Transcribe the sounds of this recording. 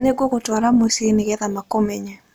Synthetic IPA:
neɡwokotaɾamosenɪɡɛðamakomeɲɛ

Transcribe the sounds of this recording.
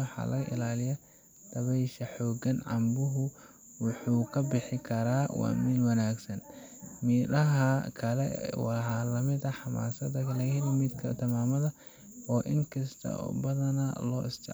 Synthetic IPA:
wħɑ̰ːlɐ̰ɣɐʔɪ̰laːlɪjɐ | d̪̥ɐβɛjʃɐħɔːɡɐnʕɑ̰mbʊɦʊ | wʊħuːkʰɐbɪħɪkʰɐɾaːwɑ̰ːmɪlwɐnaːɡsɐn | miːɾɐɦɐkʰɐlɛ̰wɑħɑlɐmɪd̪ɐħɑma̰ːsɐd̪ɐkʰɐlɛɪlɐmɪd̪kʰɐt̪ʰɐmaːmɐðɐ | ɔːʔɪŋkʰɐst̪ʰɐ̰bɐðɐnɐlɔːɪst̪ʰɛ̰

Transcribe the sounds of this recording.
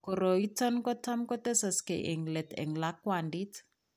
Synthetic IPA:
kɔɾoitɔnkɔtʰamkɔtɛsaskɛ̰ʔeŋlɛtɛ̰ŋlakwandit

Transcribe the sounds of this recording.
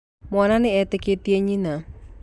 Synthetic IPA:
mɔnaneɛt̪eket̪ieɲina

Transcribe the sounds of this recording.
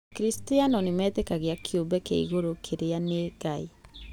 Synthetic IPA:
kɾistianɔnemɛːtɛkaɣeakʰjombɛkḛḭɣoɾokʰeɾeaneɡai

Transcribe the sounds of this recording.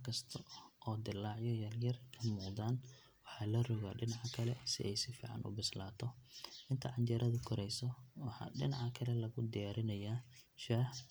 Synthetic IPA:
kʰɐst̪ʰɐʔɔːd̪ɪlːaːʕjɔjɐljɐrkʰɐmuːqd̪aːn | wɑħɑːlɐrɔɣaːɖɪnɑʕkʰɐlɛsɪ̰ʔɛjsɪfḭːʕɑ̰nʔʊ̰bɪslaːt̪ʰɔʔɪnt̪ʰɐʕɑnt͡ʃɐɾʔɐðʊkʰɔɾɛjsɔwɑħɑ̰ːɖɪnɑʕɐkʰɐlɛlɐɣʊd̪ɪjaːɾɪnɐjaː | ʃaːh

